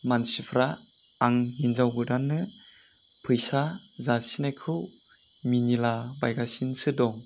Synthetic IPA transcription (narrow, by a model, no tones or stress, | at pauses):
mansipʰɾaː | ŋhinzawbɯdanːɯ | pʰɯjsa | zasinajkʰɯw | minilabajɡasinsɯdɔŋ